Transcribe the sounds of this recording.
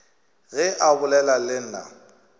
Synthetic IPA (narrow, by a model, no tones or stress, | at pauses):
ɣɛʔabʊlɛlalɪn̩ːna̰